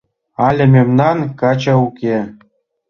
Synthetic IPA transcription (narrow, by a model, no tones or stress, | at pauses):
ɑlʲĕmʲemnɑnkɑt͡ɕɑukʲe